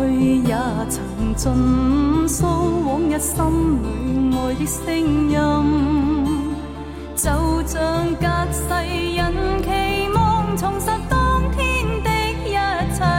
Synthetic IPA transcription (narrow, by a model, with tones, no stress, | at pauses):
ɵ˧jaː˨˧˩t͡sʰɐ˨˩ŋt͡sɵ˧nso˥wwɔː˨˥ŋjɐ˧t̚sɐ˥mlu˨˥jŋɔː˨˩jt̪ɪ˥k̚sɪ˥ŋjɐ˧m | t͡sɐ˨˧wt͡sœː˧˥ŋkaː˧˥t̚sɐ˧jːɐ˨nkʰe˨˩jmɔː˨˧ŋt͡sʰʊ˨˩ŋsɐ˨˧t̚t̪ɔː˥ŋt̪ʰiː˥nt̪ɪ˧k̚jɐ˦˥t͡sʰɐ˧